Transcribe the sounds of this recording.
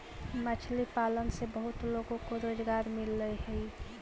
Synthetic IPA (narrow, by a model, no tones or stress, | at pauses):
mət͡ʃʰlipalənsebəɦut̪loɡõkoɾoːd͡ʒɡaːɾmɪlːəɦɛi